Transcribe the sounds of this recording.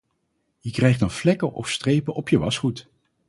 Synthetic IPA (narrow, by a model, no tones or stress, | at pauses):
jəkrɛjχtənflɛkəʔɔ̰fstrejpəʔɔpjəʋɑsχut